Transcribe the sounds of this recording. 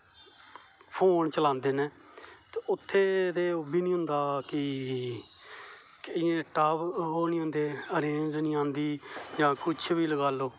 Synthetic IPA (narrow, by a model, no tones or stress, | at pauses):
pʰoːnt͡ʃəlãːnd̪eːneː | t̪eʊt̪ʰːeːt̪eːobiːnĩːɦʊ̃nd̪aːkɪ | kəiẽːʈaːpɦoːniːɦõnd̪eːəɾeːnznĩːãːnd̪iːd͡ʒãːkʊt͡ʃʰbiːləɡaːloː